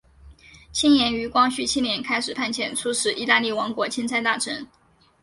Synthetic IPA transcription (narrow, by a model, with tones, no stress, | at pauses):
t͡ɕʰi˥njɛ˧˥ny˧˥kwɑ˥ŋɕy˥˩t͡ɕʰi˥njɛ˧˥nkʰa˥ɪʂɻ̩˨˩pʰa˥˩nt͡ɕʰjɛ˨˩nt͡sʰu˥ʂɻ̩˨˩i˥˧t̪a˥˧li˥˩wɑ˧˥ŋkwɔ˧˥t͡ɕʰi˥nt͡sʰa˥ɪt̪a˥˩ʈ͡ʂʰə˧˥n